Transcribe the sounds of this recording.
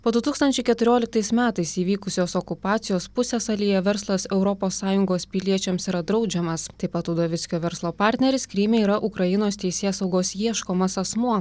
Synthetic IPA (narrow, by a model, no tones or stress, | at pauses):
poːd̪ʊt̪uːkst̪ɐnʲt͡ʃʲɛɪkʲɛt̪ʊɾʲoːlʲɪk̚t̪ɐɪsmʲæːt̪ɐɪsiːʋʲiːkʊsʲoːsokʊpɑːt̪sʲɪjoːspʊsʲɛsɐlʲijɛʋʲɛɾslˠɐsɛʊɾɔpoːsːɑːjʊŋɡoːspʲɪlʲiɛt͡ʃʲɛmsiːɾɐd̪ɾɒʊd͡ʒʲɛmɐst̪ɐɪpɐt̪uːd̪oːʋʲɪt̪sʲkʲoːʋʲɛɾslˠoːpɑɾʲt̪ʲnʲɛɾʲɪskɾʲɪmʲeiːɾɐʔʊkɾɐjɪnoːst̪ʲɛɪsʲeːsɒʊɡoːsjiɛʃkoːmɐsɐsmuɔ